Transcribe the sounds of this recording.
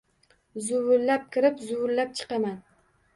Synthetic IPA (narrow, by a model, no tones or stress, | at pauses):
zʊwʊɾlap̚kʲɪɾɪpzʊwʊɾlap̚t͡ʃʰɨ̥qɑman